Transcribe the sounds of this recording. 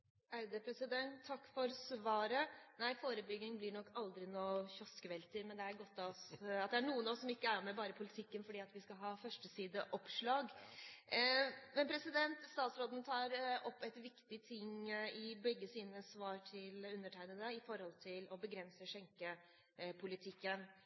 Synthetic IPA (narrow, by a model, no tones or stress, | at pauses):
æɾd̪ɛpʰɾɛsɪd̪ɛnt̪ʰːɑkːfɔɾsʋɑːɾənæɪfoːɾəbʏɡɪŋblɪɳɔkːɑld̪ɾɪnoːçɔskəʋɛlt̪əɾmɛnd̪ɛæɾɡɔt̪ːɑɔsɑt̪̚d̪ɛæɳuːənɑʋɔsːɔmɪkːəæɾmɛbɑːɾəpʰʊlɪt̪ʰɪkːənfɔɖiːɑt̪ʋɪskɑɦɑːfœʂʈəsiːd̪əʔɔpʂɭɑːɡ | mɛnpʰɾɛsɪd̪ɛnt̪st̪ɑːt̪sɾoːd̪ən̩t̪ʰɑːɾɔpːɛɪt̪ʋɪkt̪ɪt̪ʰɪŋɪbɛɡːəsiːnəsʋɑːɾʈʰɪlʉnːəʈʰæɪnənəɪfɔɾhɔlt̪ʰɪlɔbəɡɾɛnsəʂɛŋkə | pʰʊlɪt̪ʰɪkːən